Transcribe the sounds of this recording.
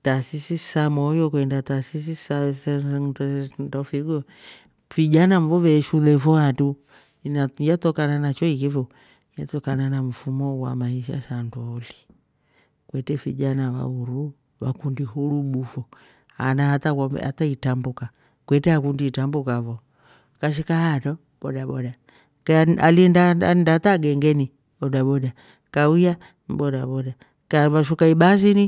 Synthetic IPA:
tasisisamɔjɔkwɛndatasis̬isas | ndɔfiɡɔ | v̥iʄanaɱvɔvɛʃulɛfɔatu | najatɔkananat͡ʃɔikifɔ | jatɔkananam̩fumɔwa̰maiʃa̰ʃandɔli | kwɛtɛfiʄanaβa̰uɾu | βakundihuɾuɓufɔ | a̰naata̰a̰taitambuka | kwɛtɛakundiːtambukaβɔ | kaʃ̬ikahatɔ | ɓɔɗaɓɔɗa | kalindandataɡɛŋɡɛni | ɓɔdaɓɔɗa | kauja | bɔdaɓɔda | kaβaʃukaiɓazini

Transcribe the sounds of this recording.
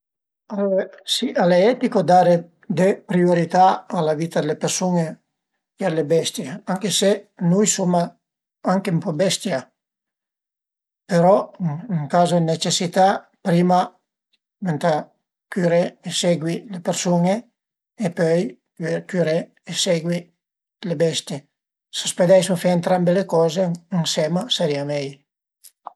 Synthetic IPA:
alesiʔaleɛt̪ikod̪aɾe | d̪epɾioɾit̪aːlaviːt̪ad̪elepeɾsuŋe | ealebɛst̪jeaŋkesenujsoma | aŋkempɔbɛst̪ja | peɾɔŋkaːzoenet͡ʃesit̪a | pɾima | ment̪a | kyɾeːseɡwilepeɾsuŋeː | pøj | kyɾeː | seɡwi | lebɛst̪je | sasped̪ɛjsufɛent̪ɾambelekɔːzeːŋsemaseɾiamɛj

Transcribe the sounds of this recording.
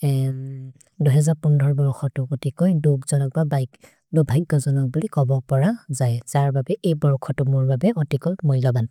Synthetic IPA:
duɦɛzaɹpundʱɔɹbɔɹkʰɔtʊkotikɔjdoɡzɔnɔk̚baba | dobʱajɡɔzɔnɔk̚bulikɔbɔpɔɹazajz̥aɹbabɛʔejbɔɹkʰɔtʊmʊɹbabɛɔtikɔjmɔjlɔban

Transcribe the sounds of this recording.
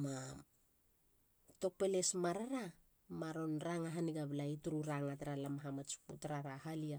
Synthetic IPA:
ma | to̞k̚pe̞le̞smaɾaɾa | maɾo̞nɾaŋaɦaniɡaβlaituɾuɾaŋataɾalamaɦamat͡ʃputaɾaɾaɦalia

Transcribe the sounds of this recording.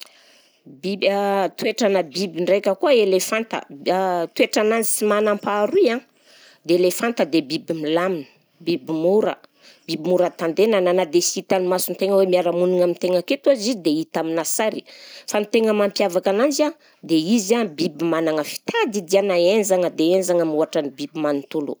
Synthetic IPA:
bit̪weʈ͡ʂanəbibiɳɖ͡ʐejkʲəkuəelefant̪ə̰t̪weʈ͡ʂanand͡ʒi̥simanampaɾuã | d̪eelefant̪əd̪ebibimilaminə̥ | bibimuɾə̰ | b̥ibimuɾət̪and̪enananad̪esiit̪animasunt̪eŋəwemiaɾamuniŋamint̪eŋəket̪uazizd̪eit̪aminasaɾi̥fanit̪eŋəmampjavakanand͡ʒa | d̪eizabibimanaŋəfi̥t̪ad̪id̪ianaend͡ʒaŋəd̪eend͡ʒaŋəmuaʈ͡ʂanibibimanit̪ulṵ

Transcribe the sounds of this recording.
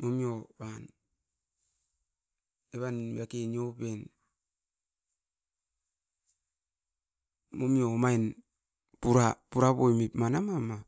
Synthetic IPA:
momjoβan | eβanbiakeniopen | momiomain | puɾapuɾaβojmipmanamama

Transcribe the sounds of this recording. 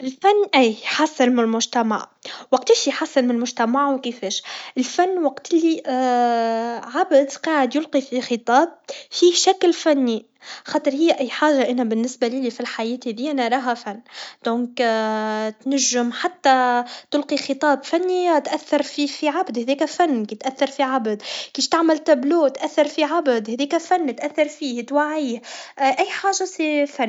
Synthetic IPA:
ʔɪlfanːʔæːħasːɪnmɪnlmʊʒt̪æma̰ʕwɑq̚t̪iːʃijħasːɪnmɪnɪlmʊʒt̪æmaʕwkɪfɛːʃʔɪlfanːwɑqt̪li | ʕabd̪qɑːʕɪd̪jʊlqifixɨt̪ˤɑːb̚fiːhʃæklfænːi | xɑːt̪ˤɨɾˤhɪjːʔæjːħaːʒːaʔænæbɪnːɪsbaliːlifilħajɛːt̪hɛðiːʔænæɾˤɑːɦafænːd̪̥õːŋk | t̪næʒːɪmħat̪ːat̪ʊlqixɨt̪ˤɑːbfænːit̪ʔæθːɑɾˤfiːfiʕabd̪hɛðɛːkæfænːkit̪ʔæθːɑɾˤfiʕabd̪kiːʃt̪aʕmælt̪abluːt̪ʔæθːɑɾˤfiʕabd̪hɛðɛːkæfænːt̪ʔæθːɑɾˤfiːht̪waʕiːhʔʔæjːħaːʒːasifanː

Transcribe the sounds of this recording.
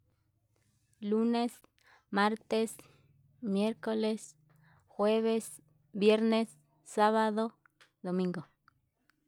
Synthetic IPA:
lunes | maɾt̪es | mjeɾkoles | xweβes | bjeɾnesː | aβaðo | d̪omĩŋɡo

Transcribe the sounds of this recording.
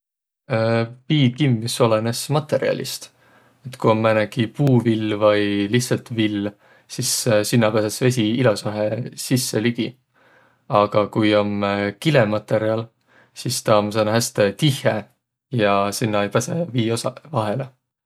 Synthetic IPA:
piːkimːiso̞lene̞smɑt̪ːe̞ɾiɑ̰lʲʔḭst̪ | et̪ːkuomːænekipuːvilːvɑjlihtsɑlt̪vilː | sissinːɑpæsesve̞s̬ʲiilɑsɑɦesisːe̞liɡ̥i | ɑɡ̥ɑkujo̞mkile̞mɑt̪ːˑe̞ɾiɑl | sist̪ɑms̬ɑnɦæst̪et̪ihˑe | jɑsinːɑejpæse̞viːosɑvɑɦe̞le

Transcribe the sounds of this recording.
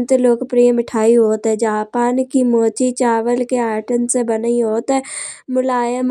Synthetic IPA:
nt̪eloːɡpɾiːəmɪʈʰaːiɦoːt̪ɦɛ̃d͡ʒaːpaːnkimoːt͡ʃit͡ʃaːʋəlkeaːʈənsebənəiɦoːt̪ɦɛːmʊlaːjəm

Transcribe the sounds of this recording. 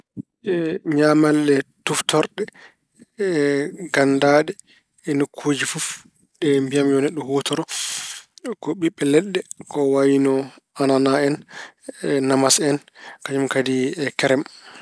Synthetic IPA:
ɛɲamalːɛtuftʰɔɾɗɛ | ɡandaɗɛ | ɛnokʰːoːd͡ʒifuf | ɗɛmbijamjɔnɛɗːɔhotɔɾɔ | kɔɓiɓːɛlɛɗːɛkɔwajinɔ | ananaɛnː | amasɛnkad͡ʒumkadiɛkɛɾɛm

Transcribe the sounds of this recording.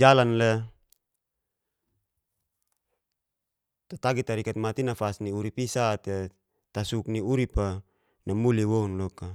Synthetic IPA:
d͡ʒalanlɛ | t̪at̪aɡit̪aɾikat̪̚mat̪inafasniuɾipisat̪e | t̪asukniuɾipa | namuliwɔunlɔka

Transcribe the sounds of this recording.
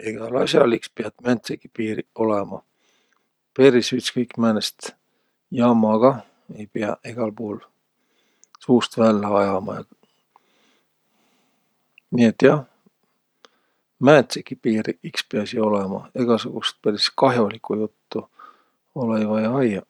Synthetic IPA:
eɡ̥ɑlɑ̰sʲjɑlikspeɑt̪mænt̪sekːi̥piːɾio̞lemɑ̰ | peɾisyt̪skɤjkːmænest̪ | jɑmɑɡ̥ɑ | e̞jpeɑ̰eɡ̥ɑlpuːl | suːst̪vælːeɑjɑmɑ̰jɑ̰ | niːet̪ːˑjɑh | mænt̪sekːipiːɾiikspeɑsio̞lemɑ̰eɡ̥ɑsuɡ̥ust̪̚pæɾiskɑɦjo̞likujut̪ːu | olejvɑjɑjɑ

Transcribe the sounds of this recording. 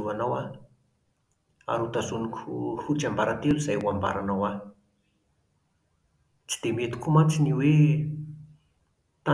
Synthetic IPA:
uanawa | a̰ɾut̪azunikhut͡ʃambaɾat̪eluzajwamba̰ɾanawa | t͡si̥d̪̥emet̪u̥kʰumat͡siniwe | t̪a

